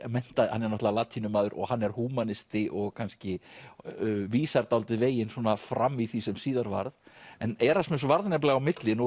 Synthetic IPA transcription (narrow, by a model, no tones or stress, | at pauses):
mɛn̥t̪ahanɛɾnɔht̪lalaːt̪ʰinʏmaːðʏɾʔɔ̰ɣhanːɛɾ̥huːmanɪst̪ɪʔɔɣkʰanscɪ | viːsaɾt̪alt̪ɪveːjɪnswɔːnafɾamːiθisɛmsiːðaɾva̰ɾðɛnɛːɾasmɛnsvaɾðnɛp̬laɣawmɪt̪lɪnu